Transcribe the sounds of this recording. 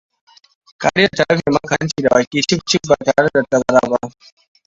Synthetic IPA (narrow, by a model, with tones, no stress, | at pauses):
ka̰˨ɽɪ˦jɐ˨tɐ˨lɐ˦ɸeː˨mɐ˦kɐ˨ɾɐ˦nt͡ʃiː˨da˨baː˨kʲiː˦t͡ʃɪ˦k̚t͡ʃɪ˦k̚ba˨taː˨ɽe˦da˨tːɐ˦ɡɐ˦ɾaː˨ba˦ʔ